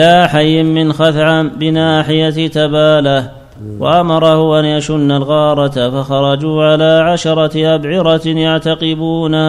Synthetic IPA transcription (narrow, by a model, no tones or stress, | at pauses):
aːħajːɪmːɪnxaθʕabɪnaːħɪjat̪abaːlah | wa̰ʔamɑɾˤɑhʊʔanjaʃʊnːalɣɑːɾˤɑt̪afaxɑɾˤɑd͡ʒuːʕalaːʕaʃɑɾˤɑʔabʕɪɾɑjaʕt̪aqɪbuːna